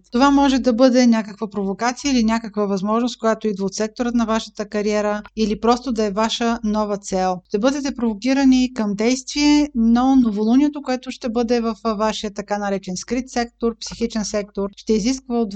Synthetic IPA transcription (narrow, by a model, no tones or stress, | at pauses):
t̪ovamɔʒɛd̪ɐbɤd̪ɛnʲakəkvəpɾovokat̪sijəilinʲakəkvəvɐzmɔʒnoskojat̪oid̪vɐot̪sɛk̚t̪oɾət̪nɐvaʃə̥t̪əkɐɾiɛɾəilipɾɔst̪od̪ɐɛvaʃənɔvət̪sɛlˠʃt̪ɛbɤd̪ɛt̪ɛpɾovokiɾənikəmd̪ɛjst̪viɛnonovolˠuniɛt̪okoɛt̪ʊʃt̪ɛbɤd̪ɛvɐfvaʃijət̪ɐkanɐɾɛt͡ʃɛnskɾit̪sɛk̚t̪oɾpsixit͡ʃɛnsɛk̚t̪oɾʃt̪ɛiziskvəod̪